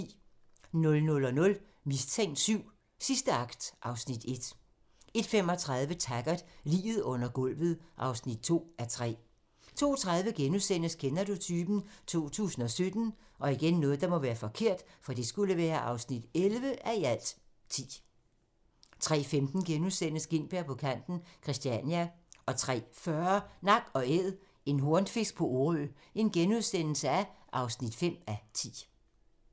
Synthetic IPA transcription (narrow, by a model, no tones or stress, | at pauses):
nɔ̽lnɔ̽lɒ̽nɔ̽l | mist͡sʰeŋ̰d̥syʊ̰ | sisd̥əɑ̈ɡ̥d̥ʔɑ̈ʊsnid̥e̝d̥ | e̝d̥fem̰ɒ̽t͡sʰʁɑð̞ˠʋət͡sʰæɡ̥ɐd̥lḭːʋð̞̩ˠɔ̽n̰ɐɡ̥ɔ̽l̰ʋð̞̩ˠʔɑ̈ʊsnid̥̚t͡sʰo̝̰ːæɐt͡sʰʁɛ̰ː | t͡sʰo̝̰ːt͡sʰʁɑ̈ð̞ˠʋəɡ̥enusen̰əskʰenɐd̥ut͡sʰyːb̥n̩t͡sʰo̝̰ːt͡sʰṵːsn̩ɒ̽sød̥n̩ʔɒ̽iɡ̥enːɔ̽ːð̞̩əd̥ɑ̈mɒ̽ʋæːɐfɒ̽kʰe̝ɐ̰d̥fɒ̽d̥e̝sɡ̥uləʋæːɐʔɑ̈ʊsnid̥elʋəʔæiæl̰d̥ | t͡sʰḭː | t͡sʰʁɛ̰ːfemd̥n̩ɡ̥enuðˠsen̰əsɡ̥e̝n̰b̥eɐpʰɒ̽kʰæn̰d̥n̩kʰʁisd̥iænæ | ʔɒ̽t͡sʰʁɛ̰ːfɶɐnɑ̈ɡ̥ɒ̽eð̰ˠ | e̝nɦo̝ɐnd̥fe̝sɡ̥̚pʰɒ̽ʔoø | e̝nɡ̥enuð̞ˠsen̰l̩səæʔɑ̈ʊsnid̥fem̰æt͡sʰḭː